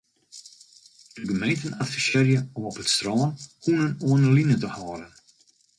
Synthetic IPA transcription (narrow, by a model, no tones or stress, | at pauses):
d̥əɡəmɛnt̪ənat̪fəʃɛɾjəɔmɔpət̪st̪ɾɑːnhunənoːnəlinət̪əhɑːɾən